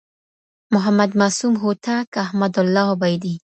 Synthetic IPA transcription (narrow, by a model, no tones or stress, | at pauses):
mʊɦamad̪masumɦot̪akahmad̪ʊlːɑbajd̪i